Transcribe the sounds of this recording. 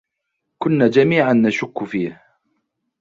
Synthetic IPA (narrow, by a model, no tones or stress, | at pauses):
kʊnːaːd͡ʒamiːʕanːaʃʊkːfiːh